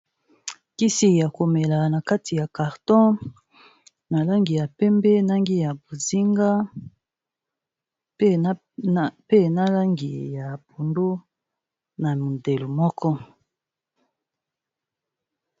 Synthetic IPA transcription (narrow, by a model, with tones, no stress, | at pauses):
ki˦si˨ja˨ko˨me˨la˨na˨ka˦tʰi˨ja˨ka˨ʁtɔ̃˦ | na˨la˦ŋɡi˨ja˨pɛ˦mbɛ˦na˦ŋɡi˦ja˨bo˨zi˦ŋɡa˦ | pe˦na˦la˦ŋɡḭ˨ja˨bo˨ndo˦ | na˨mi˨de˨lo˨mɔ˦kʰɔ˦